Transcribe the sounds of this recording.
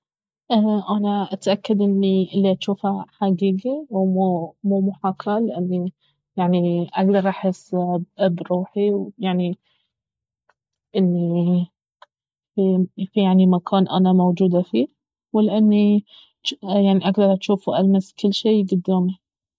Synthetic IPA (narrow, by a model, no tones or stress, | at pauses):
ʔaʔanaʔat̪ʔakːad̪ʔɪnːiʔɪlːiʔaʃuːfaħaɡiːɡiwmumuːmʊħakːalɪʔɪnːi | jaʕniʔaɡd̪ɑɾˤʔaħɪsːbɾuːħiwjaʕni | ʔɪnːi | fifijaʕnimakʰɑːnʔa̰namowd͡ʒuːd̪afiː | wɪlʔɪnːi | jaʕniʔaɡd̪ɑɾˤʔaʃuːfuʔalmaskɪlːʃeːɡʊd̪ːaːmi